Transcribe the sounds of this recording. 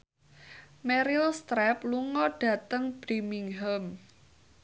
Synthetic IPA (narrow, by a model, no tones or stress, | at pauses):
mɛɾilst̪ɾɛpluŋɔɖ̥ä̤t̪əŋb̥ɾimiŋɦəm